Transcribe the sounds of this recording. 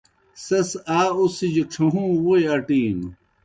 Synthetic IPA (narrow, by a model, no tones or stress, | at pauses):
sɐsaːusid͡ʑuʈ͡ʂʰuɦũːwueɐʈiːnu